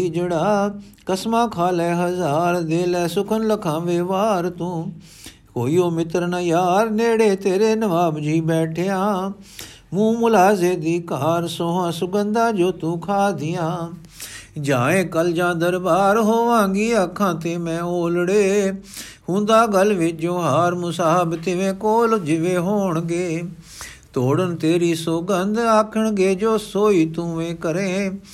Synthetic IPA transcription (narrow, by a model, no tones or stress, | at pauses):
id͡ʒeɽaː | kɐsmãːkʰaːlɛːɦɐzaːɾd̪eːlɛːsʊkʰənləkʰãːʋeːʋaːɾt̪ũː | koːiːjoːmɪt̪ɾnaːjaːɾneːɽeːt̪eːɾeːnɐʋaːbd͡ʒiːbɛːʈʰejãː | mũːmʊlaːzeːd̪iːkaːɾsoːɦãːsʊɡə̃nd̪aːd͡ʒoːt̪ũːkʰaːd̪ʱɪjãː | d͡ʒãːẽːkəld͡ʒãːd̪əɾbaːɾɦoːʋãːŋɡiːɐkʰãːt̪eːmɛ̃ːoːlɽeː | hũːnd̪aːɡəlʋɪd͡ʒõːɦaːɾmʊsaːɦəbt̪ɪʋẽːkoːld͡ʒɪʋeːɦoːɳ̃ɡeː | t̪oːɽənt̪eːɾiːsoɡənd̪aːkʰəɳ̃ɡeːd͡ʒoːsoːiːt̪ũːʋẽːkəɾẽː